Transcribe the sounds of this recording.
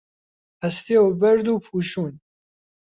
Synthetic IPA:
ɐst̪iobɛɾd̪uːpʰuːʃuːn

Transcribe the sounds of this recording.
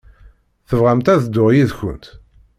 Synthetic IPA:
θəvʁæmt̪æðd̪ːʊʁjiðçə̰nt̪

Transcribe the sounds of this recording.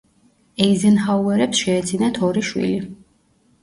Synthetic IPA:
ɛizɛnhauɛɾɛpsʃɛːd̪zinat̪ʰɔɾiʃwḭli

